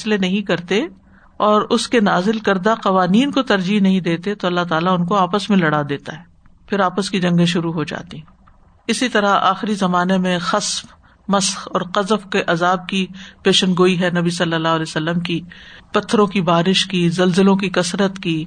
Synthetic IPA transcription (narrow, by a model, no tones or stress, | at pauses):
slenɐɦĩkɐɾt̪e | ɔːɾʊskenaːzɪlkɐɾd̪aqɐʋaːniːnkot̪ɐɾd͡ʒiɦnɐɦĩd̪eːt̪et̪oɐlːaɦt̪aːlaʊnkoaːpəsmẽlɐɽaːd̪eːt̪aɦɛː | pʰɪɾaːpəskid͡ʒɐ̃ŋɡẽʃʊɾuɦod͡ʒa̰ːt̪iɦɛ̃ | ɪsit̪ɐɾaa̰ːxɪɾizɐmaːnemẽxɐsf | mɐsxɔːɾqɐzfkeʔɐzaːb̚kipeːʃənɡoːiɦɛnɐbisɐlːəlːaːɦlesɐlːəmkipɐt̪ʰːɾõkibaːɾɪʃkizɐlzɪlõk̬ikɐsɾət̪kiː